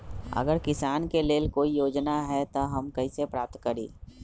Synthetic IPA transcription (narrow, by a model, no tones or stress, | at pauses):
ə̰ɡəɾkɪsaːnkeleːlkoːijoːd͡ʒnaɦɛt̪oɦɐmkɐisepɾaːp̚t̪kəɾḭː